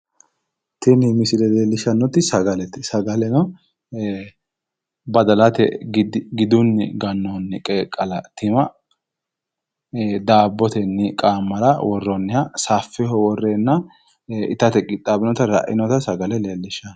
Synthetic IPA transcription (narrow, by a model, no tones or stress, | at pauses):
t̪ɪnɪmɪsɪlɛleːlːɪʃɐnːɔt̪ːɪsɐɡɐlɛt̪ːɪsɐɡɐlɛnɔ | bɐd̪ɐlɐt̪ɛ̰ɡɪd̪ʊnːɪ̰ɡɐnːɔnːɪkʼeːkʼːɐlɐt̪ɪmɐ | d̪aːbːɔt̪ɛnːɪkʼaːmːɐɾɐwɔrːɔnːɪhɐsaːfːɪhɔwɔrːenːɐ | ɪ̰t̪ɐt̪ɛkʼɪt̪ʼːaːbɪnɔt̪ɐɾɐ̰ʔɪnɔt̪ɐsɐɡɐlɛleːlːɪʃɐ